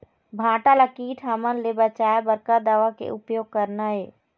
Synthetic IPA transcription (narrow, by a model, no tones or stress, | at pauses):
bʱãːʈaləkiːʈʰɦamənlebət͡ʃaːabəɾkad̪aːʋakḛʔʊpjoːɡ̚kəɾnaɦeː